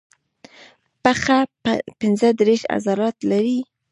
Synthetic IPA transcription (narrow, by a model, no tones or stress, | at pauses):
paxapɪnzəd̪ɾeʃa̰zɑɾɑt̪laɾi